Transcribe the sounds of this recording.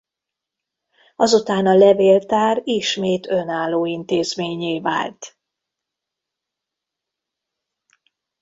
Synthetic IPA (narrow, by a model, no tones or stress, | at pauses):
ɒzut̪aːnɒlɛveːlt̪aːɾiʃmeːt̪ø̞naːlːoːint̪eːzmeːɲeːva̰ːlt̪